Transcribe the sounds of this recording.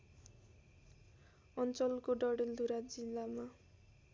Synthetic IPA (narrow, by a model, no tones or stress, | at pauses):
ʌnt͡sʌlkoɖʌɽeld̪ʱuɾad͡zilːama